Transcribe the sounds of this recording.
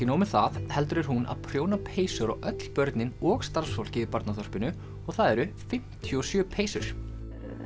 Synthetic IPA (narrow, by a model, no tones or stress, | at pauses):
ɪnoːwmɪθaðhɛlt̪ʏɾɛɾ̥ɦuna̰ðpʰɾjoːwnapʰeːjsʏɾɔ̰ɣœt̪l̥pœɾt̪nɪnɔɣst̪aɾ̥sfɔwl̥cɪvɪpaɾt̪naθɔr̥pɪnʏ | ɔɣθaðɛɾʏfɪm̥t̪ʰːjʏɔsjœːpʰeːjsʏɾ̥